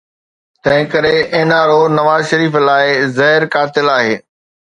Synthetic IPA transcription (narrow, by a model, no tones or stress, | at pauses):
t̪ɐ̃ɦɪ̃kɐɾeʔɐ̃ɦɪnaɾonɐʋaːzʃɐɾiːflaːɪzɐɦɪɾkaːɾt̪ɪlaːɦeː